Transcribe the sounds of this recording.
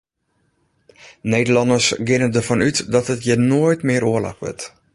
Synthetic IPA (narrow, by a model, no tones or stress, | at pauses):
nejdəlɑndəsɡɪnədərvɔnytdɔtətjənoəjtmɪəɾoəla̰kʋɪ̰t